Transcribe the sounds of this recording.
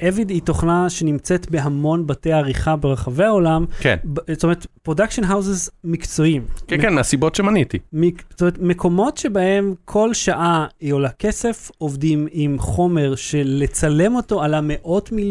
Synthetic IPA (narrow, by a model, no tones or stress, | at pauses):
ʔevidito̞χnaʃe̞nimt͡setbe̞ɦamo̞nbatejaːʁiχabe̞ʁaχave̞ao̞lamkḛnbtomeʁetpʁodakʃonɦawzezmikt͡so̞imkekenmeasibotʃemanitimiztomeetme̞kʰo̞mo̞tʃe̞bahe̞mkʰo̞lʃaʔaolake̞se̞fo̞vdimimχo̞me̞ʁʃe̞let͡sale̞mo̞to̞alame̞ʔo̞tmil